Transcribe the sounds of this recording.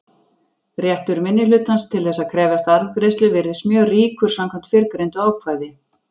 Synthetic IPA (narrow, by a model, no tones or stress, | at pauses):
rjɛht̪ʏɾmɪnːɪlʏːt̪hanst̪ʰɪlθɛsːaðkʰɾɛːvast̪aɾvkɾejst̪lʏvɪɾðɪsmjœːɣriːkʏɾ̥samkʰam̥t̪fɪɾkɾejnt̪ɔaːwkʰvaːjðɪ